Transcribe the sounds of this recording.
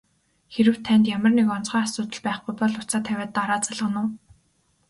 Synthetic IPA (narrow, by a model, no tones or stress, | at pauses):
xeɾɘ̆w̥t̪ʰænʲt̪jamə̆rnekɔnt͡sʁaːasʊːt̪ə̆ɮpæːχɡʊjpɔɮʊt͡saːt̪ʰːæwʲæːt̪ăːaɾaːt͡saɮʁə̆nʊː